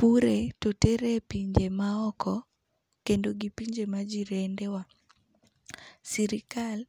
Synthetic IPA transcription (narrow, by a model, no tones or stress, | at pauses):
puɾetotɛɾepiɲd͡ʒemaɔkʰɔ | kendoɡipiɲd͡ʒemad͡ʒiɾendewa | siɾikal